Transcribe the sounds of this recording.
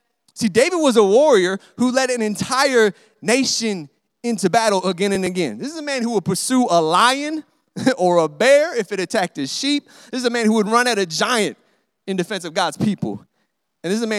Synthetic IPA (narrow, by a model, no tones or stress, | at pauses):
sideɪvɨd̚wʌzəwɔɹiə˞ | hulɛɾɨ̃nɨ̃ntʰaɪə˞ | neɪʃɨ̃n | ɪ̃ntʉbæɾl̩ˠəɡɛ̃ñɨ̃nɨɡɛ̰̃nðɪsɨzəmæ̃nhuwəd̚pʰə˞suəlaɪɨ̃n | ə˞əbɛɹɪfɨɾɨtʰæk̚tɨz̥ʃip̚ | ðɪsɨzɨmæ̃nhuwəd̚ɹʌ̃nɨɾɨd͡ʒaɪɨ̃nt̚ | ɨ̃ndɨfɛ̃nsʌvɡɑdz̥pʰipl̩ˠ | ɨ̃n̩ðɪszɨmæ̃